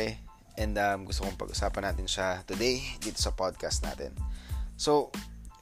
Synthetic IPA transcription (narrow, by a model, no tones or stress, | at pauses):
ɛ | ʔɛnd̪ɐmɡʊst̪okoŋpɐ̰ɡʔʊsaːpɐnaːt̪ɪnʃat̪ʊd̪ejd̪iːt̪osɐpad̪̚kast̪̚na̰ːt̪ɛ̰nso